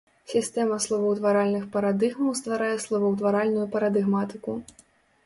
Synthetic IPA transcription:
sʲist̪ɛmɐslˠɔvɐwt̪vaɾalʲnɨxpɐɾad̪ɨɣmɐwst̪vaɾajɛslˠɔvɐwt̪vaɾalʲnujupɐɾɐd̪ɨɣmat̪ɨku

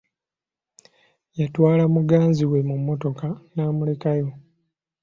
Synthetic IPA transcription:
jatwaːlamuɡaːnziwe̞mumːo̞to̞kanaːmule̞kajo̞

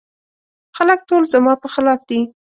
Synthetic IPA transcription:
xalək̚ʈolzamɑpəxɪlɑfd̪i

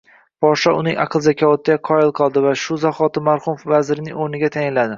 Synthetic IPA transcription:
b̥ɒʃaʊnɪŋɑ̰qʰɨlˠzakʲʰavɒt̪ʰɪd̪aqʰɒjɪlˠqʰɒlˠd̪ɪvaʃʊzaχɒt̪ɪmaɾχʊmofvazɪɾɪnɪŋoɾnɪɡʲat̪ʰajɪnlad̪ɪ

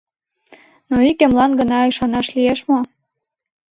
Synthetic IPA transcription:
noikɘ̆mlɑnɡɤ̆nɑiʃɑnɑʃlieʃmo

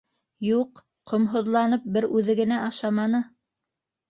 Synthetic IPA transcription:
juq | qŏmɦŏðlˠɑnɤp̚bɘɾʉðɘ̆ɡɘ̆næʔɑʃɑmɑnɤ

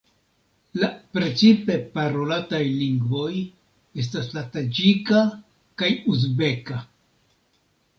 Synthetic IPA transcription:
lapɾe̞t͡sipe̞paɾo̞latajliŋɡvo̞j | e̞s̬taslatad͡ʒika | kajuz̬be̞ka

